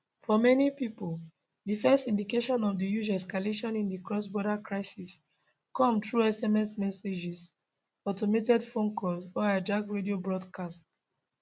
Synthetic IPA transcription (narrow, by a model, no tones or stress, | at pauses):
fɔmɛnipipol | difɛstĩndikeʃɔ̃nɔvdijud͡ʒɛskaleʃɔ̃nĩndikɹɔsbɔɾakɹaɪsis | kɔ̃mtɹuɛsɛmɛsmɛsed͡ʒɛs | ɔtɔmetɛdfõnkʰɔsɔadaɡɹediobɹɔdkʰasts